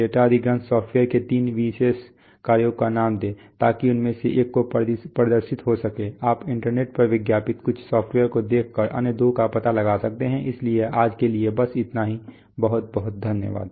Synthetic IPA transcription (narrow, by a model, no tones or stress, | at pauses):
eːʈaəd̪ʱiɡɾə̃nsɔːfʈweːəɾket̪iːnʋiːses | kaːɾjoːɡkanaːmd̪ẽːt̪aːkiʊnmẽseʔeːkːoppɾəd̪əɾʃɪt̪ɦosɐkeːaːpɪ̃ɳʈəɾneːʈ̚pəɾʋɪɡjaːpɪt̪kʊt͡ʃʰsɔːpʰʈweːəɾkod̪eːkʰkəɾʔɐ̰nəd̪okapɐt̪alɐɡaːsɐk̚t̪eɦɛ̃ʔɪslieaːd͡ʒkeliebɐsɪt̪naɦi | bɐɦʊt̪̚bɐɦʊt̪̚d̪ʱənjə̰ʋa̰ːd̪